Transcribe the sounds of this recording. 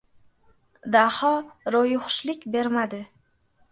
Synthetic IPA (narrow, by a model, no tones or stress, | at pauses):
d̪ahɒɾojʊχʊ̥ʃlɪkʲbe̞ɾmad̪ɪ